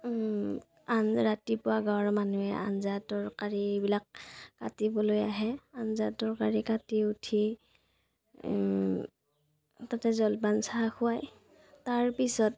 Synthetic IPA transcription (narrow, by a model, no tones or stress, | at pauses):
anɹatipʊwaɡawɹmanuɛʔa̰nzatɔɹkaɹibilak̚ːatibɔlojaɦɛanzatɔɹkaɹikatiutʰi | tatɛzɔlbansaaxʰʊwaj | taɹpisɔt̚